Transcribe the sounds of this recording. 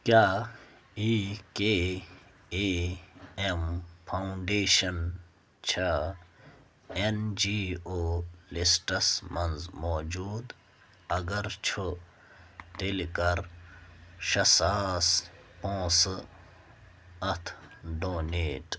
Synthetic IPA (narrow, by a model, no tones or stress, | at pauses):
kjaː | ike | e | empʰauɳɖeːʃɐn | t͡ɕʰa | end͡ʑiːoːlisʈɐsmɐnzmoːd͡ʑuːd̪ | ɐɡɐɾt͡ʃʰu | t̪elkɐɾ | ʃɐsaːspõːs | ɐt̪ʰɖoːneːʈ